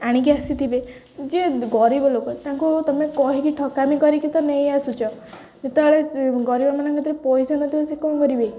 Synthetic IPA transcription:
aɽ̃ik̬iasit̪ʰibe | d͡ʒeɡɔɾibɔlokɔt̪ãŋkut̪ɔmekɔɦikiʈʰɔkamikɔɾikit̪ɔnej̃asut͡ʃʰɔ | net̪ɔɔɭeɡɔɾibɔmanɔŋkɔt̪ʰiɾepɔjsanɔt̪ibɔsekɔ̃ɡɔɾibej

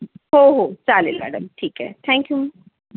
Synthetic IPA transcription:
ɦoɦot͡salilmæ̰ːɖəmʈʰiːkɦɛ̰t̪ʰɛ̃ːŋkju

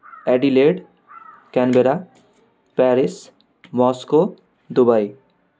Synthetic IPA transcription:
ɛɖileɖ | kɛnbeɾa | pɛɾis | mɔsko | d̪ubaj

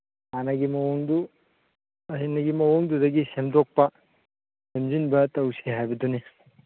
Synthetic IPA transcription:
hanɐɡimɐwuŋd̪u | ɐsinɐɡimɐwuŋd̪udɐɡisemdok̚pɐ | semzinbɐtɐwsiɦajbɐd̪une

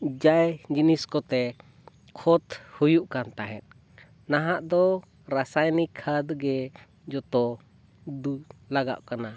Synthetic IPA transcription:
d͡ʒajd͡ʒiniskɔt̪ɛ | kʰɔt̪hujuʔkant̪aɦɛt̪̚ | naɦaʔd̪ɔ | ɾasajnikʰad̪ɡɛ | d͡ʒɔt̪ɔ | d̪ulaɡa̰ʔkana

